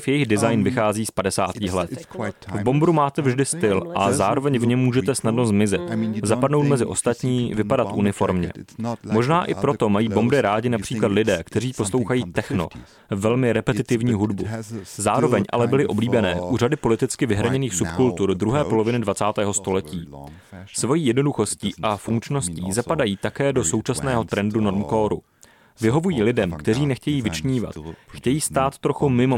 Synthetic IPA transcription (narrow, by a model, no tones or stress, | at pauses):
fjɛjɪɣdɪzajnvɪxaːziːspadɛsaːt̪iːxlɛt̪vbo̞mbɾumaːt̪ɛvʒdɪst̪ɪlʔazaːɾo̞vɛɲvɲɛmːuːʒɛt̪ɛsnadno̞zmɪzɪt̪zapadno̞wt̪mɛzɪʔo̞st̪at̪ɲiːvɪpadat̪ʔunɪfo̞ɾmɲɛ̰mo̞ʒnaːʔɪpɾo̞t̪o̞majiːbo̞mbɾɪɾaːɟɪnapr̝̥iːklad̪lɪdɛːkt̪ɛriːpo̞slo̞wxajiːt̪ɛxno̰ | vɛlmɪɾɛpɛt̪ɪt̪ɪvɲiːɦudbuzaːɾo̞vɛɲʔa̰lɛbɪlɪʔo̞bliːbɛnɛːʔuːradɪpo̞lɪt̪ɪt͡skɪvɪɦɾaɲɛniːxsupkult̪uɾd̪ɾuɦɛːpo̞lovɪnɪdvat͡saːt̪ɛːɦo̞st̪o̞lɛciː | svo̞jiːjɛdno̞duxo̞sciːʔafuŋkt͡ʃno̞sciːzapadajiːt̪akɛːdo̞so̞wt͡ʃasnɛːɦo̞t̪ɾɛnduno̞ɾmkoːɾṵ | vɪɦo̞vujiːlɪdɛmkt̪ɛr̝iːnɛxcɛjiːvɪt͡ʃɲiːva̰t̪xcɛjiːst̪aːt̪ːɾo̞xumɪmo